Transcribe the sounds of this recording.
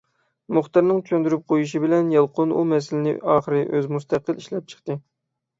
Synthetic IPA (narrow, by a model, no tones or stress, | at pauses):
mʊχt̪ɨɾnɨŋt͡ʃʰønd̪yɾyp̚qʰojiʃibɪlɛnjɑlˠqʰʊnṵmɛsɪlɪnɪ̰ɑːχəɾɨʔøzmust̪ʰæqəlˠiʃlɛp̚t͡ʃʰə̥χt̪ɨ